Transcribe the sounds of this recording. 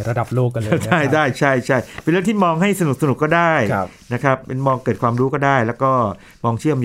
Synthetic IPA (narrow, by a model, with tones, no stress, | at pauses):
ɾa˧da˨˩p̚loː˥˩k̚ːaː˧da˥˩jdaː˥˩jt͡ɕʰa˥˩jt͡ɕʰa˥˩jpe˧nɾɯ˥˩əŋt̪ʰiː˥˩mɔː˧ŋɦa˥˩jsa˧nu˨˩k̚sa˧n˨˩kːɔː˥˩daː˥˩j | na˦˥kʰa˦˥p̚ːe˧nmɔː˧ŋkɤː˨˩t̪̚kʰwaː˧mɾuː˦˥kɔː˥˩daː˥˩jlɛː˦˥wkɔː˥˩ | mɔː˧ŋt͡ɕʰɯ˥˩əm